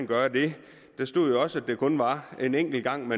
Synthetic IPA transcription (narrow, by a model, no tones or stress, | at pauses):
nɡ̥ɶɐd̥e̝ | d̥esd̥o̝ð̰ˠjo̝ɒ̽səæd̥e̝kʰɔ̽nʋɑ̈e̝neŋ̰ɡ̥l̩ɡ̥ɑ̈ŋ̰me